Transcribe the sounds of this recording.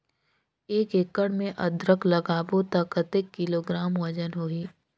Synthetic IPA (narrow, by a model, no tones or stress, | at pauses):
eːkekːəɽmẽʔɐd̪ɾəklɐɡaːbot̪akət̪ekːɪloːɡɾaːmwɐd͡ʒənɦoːiː